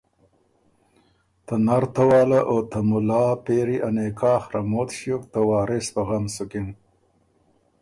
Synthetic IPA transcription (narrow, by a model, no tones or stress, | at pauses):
t̪ɐnaɾt̪ɐwɑːlaʔoːt̪ɐmulɑːpeːɾiʔɐneːkaːxɾɐmoːt̪ɕukt̪ɐwaːɾespɐɣɐmsukin